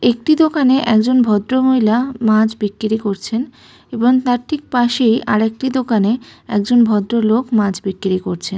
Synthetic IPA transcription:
ek̚ʈid̪okaneʔɛkd͡ʑonbʱɔd̪ɾomojlamãd͡ʑbikːiɾikoɾt͡ɕʰen | eboŋt̪aɾʈʰik̚paʃejʔa̰ɾek̚ʈid̪okaneɛk̚d͡ʑonbʱɔd̪ɾolokmãd͡ʑbikːiɾikoɾt͡ɕʰen

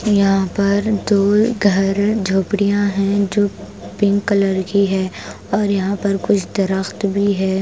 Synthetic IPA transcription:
jɐɦãpɐɾd̪oːɡʱɐɾd͡ʒʱoːpɽijãɦɛ̃d͡ʒoː | pɪ̃ŋkːɐləɾɡiɦɛː | ɔːɾjɐɦãpɐɾkʊt͡ʃʰd̪ɐɾəxt̪bʱiɦɛː

